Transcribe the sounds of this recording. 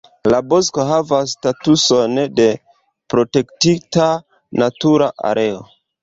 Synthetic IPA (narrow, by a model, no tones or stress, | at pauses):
labo̞sko̞ɦavasːtatuso̞nde̞ | pɾo̞te̞ktita | natuɾaʔa̰ɾʔe̞o̞̰